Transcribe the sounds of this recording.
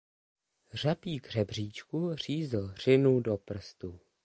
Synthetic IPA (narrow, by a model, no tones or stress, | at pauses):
r̝apiːɡr̝̥ɛbr̝iːt͡ʃkur̝̥iːzl̩r̥ɪnudopr̩st̪u